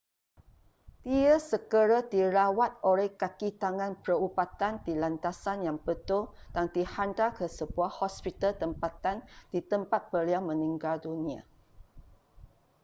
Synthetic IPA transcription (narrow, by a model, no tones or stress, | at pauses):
d̪̥iəsəkəɾad̪iɾawat̪̚olɛhkakit̪aŋãnpɾəupat̪andilant̪asanjaŋpət̪od̥aŋdihandakəsəbuahɔspit̪alt̪əmpat̪and̥it̪əmpat̪̚bəliamə̃nĩŋɡaldunĩa̰